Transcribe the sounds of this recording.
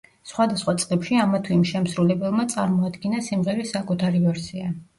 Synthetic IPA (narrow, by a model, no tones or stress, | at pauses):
sχwad̪asχwat̪sʼqlɛpʃiamat̪ʰiimʃɛmsɾulɛbɛlˠmat̪sʼaɾmɔad̪ɡinasimʁɛɾisakʼut̪ʰaɾivɛɾsia